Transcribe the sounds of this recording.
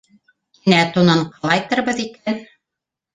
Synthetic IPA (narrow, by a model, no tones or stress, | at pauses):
inæt̪unɤɴqɤlˠɑjt̪ɤ̆ɾβɤ̆ðikæn